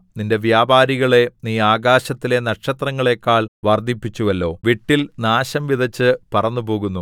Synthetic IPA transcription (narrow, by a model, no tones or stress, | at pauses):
ninde̞ʋjaːbaːɾiɣɐɭe̞niːaːɡaːɕɐt̪ːile̞nɐʈʂɐt̪rɐŋːɐɭe̞ːkːaːɭʋɐrd̪ʱipːit͡ɕːuʋɐlːo̞ːʋiʈːilnaːɕɐmʋiðɐt͡ɕːɨpɐrɐnːupo̞ːɣunːu